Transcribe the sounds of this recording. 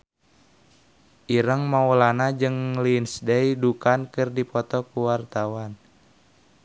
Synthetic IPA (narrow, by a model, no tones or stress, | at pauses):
ʔiɾəŋmaulanad͡ʒɨŋlinsdejdukankɨrdipɔt̪ɔkuwart̪awan